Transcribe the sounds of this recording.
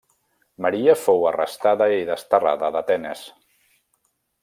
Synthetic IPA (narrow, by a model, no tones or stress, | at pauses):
məɾiəfowərə̰st̪aðəiðəst̪əra̰ðəðət̪ɛnəs